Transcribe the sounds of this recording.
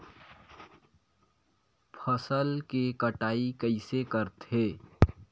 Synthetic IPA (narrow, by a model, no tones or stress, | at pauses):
pʰəsəlkekəʈaːikəɪsekəɾt̪ɦeː